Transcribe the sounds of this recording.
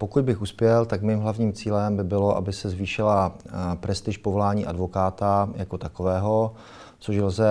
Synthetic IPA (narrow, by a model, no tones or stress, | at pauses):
po̞kud̪̚bɪxuspjɛlt̪akmiːmɦlavɲiːmt͡siːlɛmbɪbɪlo̞ʔa̰bɪsɛzviːʃɪlapɾɛst̪ɪʃpovo̞laːɲiːʔadvo̞kaːt̪ajako̞t̪akovɛːɦo̞ | t͡soʃlzɛ